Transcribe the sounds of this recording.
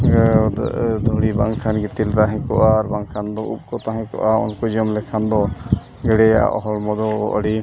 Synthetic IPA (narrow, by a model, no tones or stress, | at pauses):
d̪ʱɔɽibaŋkʰanɡit̪ilt̪aɦɛ̃kɔʔaɾbaŋkʰand̪ɔʔṵp̚kɔt̪aɦɛ̃kɔ̰ʔaṵnkɔd͡ʒɔmlɛkʰand̪ɔ | ɡɛɽɛja̰ʔɔ̰ɦɔlmɔd̪ɔʔɔ̰ɽi